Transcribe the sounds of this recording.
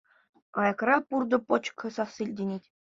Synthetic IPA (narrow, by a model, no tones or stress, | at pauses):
ɑjɑ̆krɑpurd̪ɤ̆pŏt͡ɕkʰʲɤ̆sɑsːilʲdʲenʲetʲ